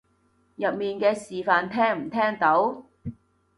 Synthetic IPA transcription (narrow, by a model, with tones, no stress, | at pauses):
jɐ˨p̚miː˨nkɛː˧siː˨faː˨˧nt̪ʰɛː˥ŋm̩˨˩t̪ʰɛː˥ŋt̪o˨˥w